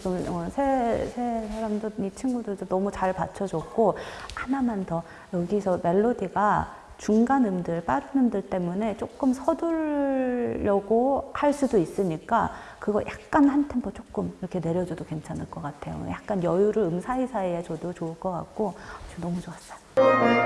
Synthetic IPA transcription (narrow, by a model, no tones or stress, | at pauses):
ɡɯmʌsʰesʰesʰaɾamdoit͡ɕʰinɡudɯɭdonʌmut͡ɕaɭpat͡ɕʰʌd͡ʑʌk̚k͈ohanamantʰʌ | jʌɡisʰʌme̞ɭːodiɡa | t͡ɕuŋɡanɯmdɯɭp͈adnɯmdɯɭt͈e̞mune̞t͡ɕ͈ok͈ɯmsʰʌduɾː | ʌɡohaɭs͈udois͈ɯɲik͈akɯɡʌjʔak̚k͈anhantʰempʰot͡ɕ͈ok͈ɯmiɾʌkʰe̞ne̞ɾjʌd͡ʑudokwe̞nt͡ɕʰanɯɭk͈ʌk͈atʰe̞̰jo̰ja̰k̚k͈anjʌjuɾɯɾɯmsʰaisʰaeet͡ɕʌdot͡ɕoɯɭk͈ʌk͈a̰k̚k͈ot͡ɕonʌmud͡ʑoas͈ḁj